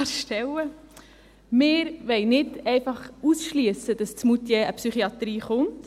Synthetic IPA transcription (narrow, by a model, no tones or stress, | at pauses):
ʃtɛwə | mɪːɾʋɛjnɪdɛɪfɑχusʃliəsəd̥ɑst͡smutjɛəpsyχiɑt̪ɾiːχʊnt